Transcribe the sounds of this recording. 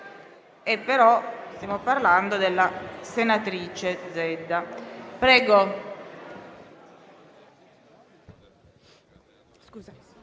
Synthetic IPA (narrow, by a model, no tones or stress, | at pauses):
epːeɾɔst̪jaːmoparland̪od̪elːasenat̪ɾiːt͡ʃed̪zɛd̪ːapɾɛːɡo